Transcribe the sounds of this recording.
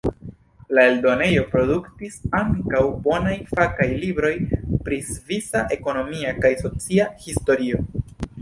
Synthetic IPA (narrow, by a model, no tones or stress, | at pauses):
lae̞ldo̞ne̞jo̞pɾo̞duktisaŋkawbo̞najfakajlibɾo̞jpɾisvisaʔe̞ko̞no̞miakajso̞t͡siahisto̞ɾio̞